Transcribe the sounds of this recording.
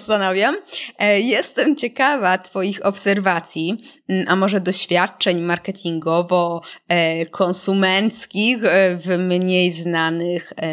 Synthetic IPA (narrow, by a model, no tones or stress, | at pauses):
st̪anɔvʲjamjɛst̪ɛmt͡ɕɛkavat̪fɔjixɔpsɛɾvat̪sʲjiʔamɔʐɛd̪ɔɕfʲjat̪̚t͡ʂɛɲmaɾkɛt̪ʲʰiŋɡɔvɔ | kʰɔnsumɛnt̪skʲixvmɲejznanɘx